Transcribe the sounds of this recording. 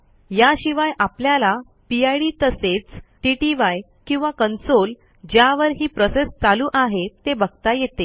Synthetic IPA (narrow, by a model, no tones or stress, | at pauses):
jaɕiʋajʔapljala | piajɽit̪əset͡sʈiʈiʋaj | kĩw̃ʋakənsol | d͡ʑjaʋəɾɦiːpɾɔsest͡saluːʔaɦet̪ːebəɡt̪ajet̪e